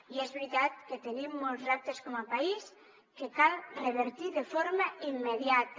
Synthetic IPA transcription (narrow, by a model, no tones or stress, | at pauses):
iɛzβɾit̪at̪ket̪enimːɔlˠzak̚t̪eskɔmapais | kekalreβeɾt̪iðefoɾmaimːeðjat̪